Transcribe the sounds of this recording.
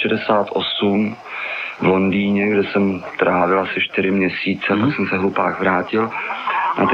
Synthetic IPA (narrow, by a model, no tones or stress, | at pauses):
ɛdɛsaːt̪ʔo̞sum | vlo̞ndiːɲɛɡdɛsɛmt̪ɾʔaːvɪlasɪʃt̪ɪɾɪmɲɛsiːt͡sɛaksɛmsɛɦlupaːxvɾaːcɪlna̰t̪